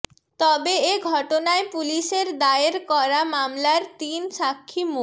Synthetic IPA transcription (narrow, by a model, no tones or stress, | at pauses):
t̪ɔbeeɡʱɔʈonaepuliʃeɾd̪aeɾkɔɾamamlaɾt̪inʃakʰːimo